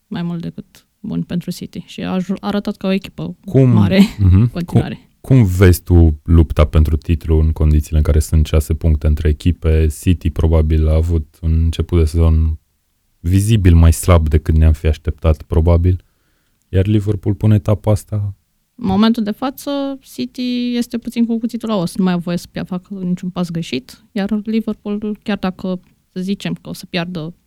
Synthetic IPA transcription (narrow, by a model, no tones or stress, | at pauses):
majmult̪d̪e̞kɨt̪ | bṵnʲpent̪ɾusit̪iʃia̰ʒuaɾət̪at̪kaoekʲi̥pəkummaɾeɦm̩koia̰ɾe | kʰumve̞zʲt̪ulupt̪ape̞nt̪ɾut̪it̪luɨŋko̞nd̪it̪sileɨŋkaɾe̞sunt̪ʃase̞puŋkt̪e̞ɨnt̪ɾe̞ːkʲipe̞sit̪ipɾo̞babilaːvut̪unɨnt͡ʃe̞put̪̚d̪e̞se̞zo̞n | vizibilmajslab̚d̪e̞kɨt̪neamfiaʃt̪e̞p̚t̪at̪pɾo̞babil | jarliverpulpune̞t̪apast̪a | mo̞ment̪uld̪e̞fat̪səsit̪ije̞st̪e̞put̪sinkukut̪it̪ulaosnumajavo̞jesə̥pjafakənit͡ʃunpas̬ɡɾe̞ʃit̪jarliverpulukʲjard̪akə | səzit͡ʃe̞mkəosə̥pjard̪ə